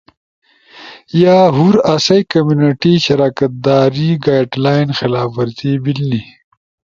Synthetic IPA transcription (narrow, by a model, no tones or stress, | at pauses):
jaːɦuɾɐsɐjkɐmjuniʈiʃɐɾaːkɐt̪̚d̪aːɾiɡaːjɖlaːjnxɪlaːfɐɾt̪ibilni